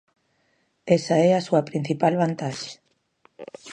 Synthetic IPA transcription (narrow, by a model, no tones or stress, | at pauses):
esaeasuapɾin̟θipalβant̪aʃe̥